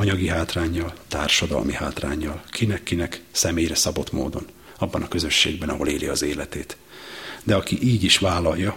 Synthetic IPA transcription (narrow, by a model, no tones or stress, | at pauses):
ɒɲɒɡiɦaːt̪raːɲːɒlt̪aːrʃɒd̪ɒ̰lmihaːt̪ra̰ːɲːɒlkʰinɛkːinɛksɛmeːjrɛsɒbo̞t̪mo̰ːd̪o̞̰n | ɒbːɒnɒkø̞zø̞ʃːḛːɡ̚bɛnɒɦo̞leːliɒzeːlɛt̪eːt̪ | d̪ɛɒkiʔiːɟiʃʋaːlːɒjːɒ